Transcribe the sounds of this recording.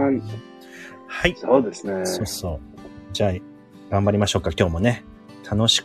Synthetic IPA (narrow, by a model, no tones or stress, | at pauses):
haisoːd̪esɨneoːso̞ːd͡ʑaː | ɡ̥ãmbaɾʲimaɕo̞ːkːakʲo̞ːmo̞ne | t̪ʰano̞ɕi̥k